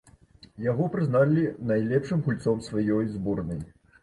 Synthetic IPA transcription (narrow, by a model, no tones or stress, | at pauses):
jaɣɔpɾɨznalʲinajlʲɛpʂɨmɣulʲt̪sɔmsvajɔjzbɔrnɐj